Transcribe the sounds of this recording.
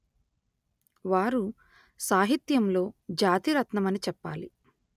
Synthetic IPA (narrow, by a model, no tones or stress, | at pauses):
ʋaːɾu | saːɦit̪jɐmlo̞ːd͡ʒaːt̪iɾɐt̪nɐmɐnit͡ʃɛpːa̰ːli